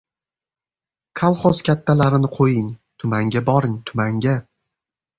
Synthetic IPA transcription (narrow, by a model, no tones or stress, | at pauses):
kʰalˠχɒskʲʰat̪ʰːalaɾɪnɪqʰojɪŋt̪ʰʊmaŋɡʲabɒɾɪŋt̪ʰʊmaŋɡʲa